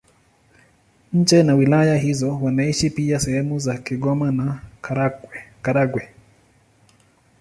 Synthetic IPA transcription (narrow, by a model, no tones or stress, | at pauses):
ɲ̩t͡ʃɛnawilajaɦizɔwanaiʃipiasɛhɛmuzakiɠɔmana | kaɾaɡwɛ